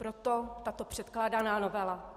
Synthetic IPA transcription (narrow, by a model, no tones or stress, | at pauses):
pɾot̪ot̪at̪opr̥ɛt̪klaːdanaːnovɛla